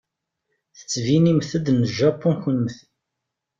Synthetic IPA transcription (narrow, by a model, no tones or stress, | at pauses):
θə̥t͡sːvinimθəd̪nəʒɑpːunxənmθə